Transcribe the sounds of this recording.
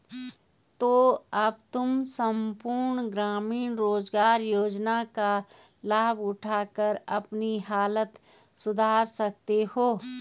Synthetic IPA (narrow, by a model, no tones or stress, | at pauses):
t̪oːɐbt̪ʊmsəmpuɾɳɡɾaːmiːnɾoːzɡaːɾjoːd͡ʒnaka | laːbʊʈʰaːkəɾɐpniɦaːlət̪ | sʊd̪ʱaːɾsɐk̚t̪eɦoː